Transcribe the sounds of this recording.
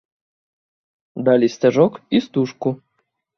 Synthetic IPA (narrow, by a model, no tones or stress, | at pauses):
d̪alʲisʲtʲaʐɔkist̪uʂku